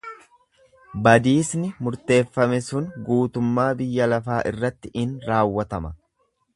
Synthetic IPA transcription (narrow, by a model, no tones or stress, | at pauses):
bɐd̪iːsnɪmʊɾt̪e̞ːfːɐmɛsʊŋɡuːt̪ʊmːaːbɪjːɐlɐfaːʔɪrːɐt̪ːɪʔɪnɾaːwːɐt̪ɐmɐ